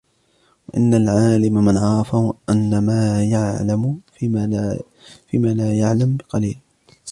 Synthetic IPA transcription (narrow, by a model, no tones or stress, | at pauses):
waʔɪ̰nːalʕaːlɪmamɪnʕɑɾˤɑfahʊʔanːamaːjaʕlam | fiːmaːlaːjaʕlambɪqɑliːl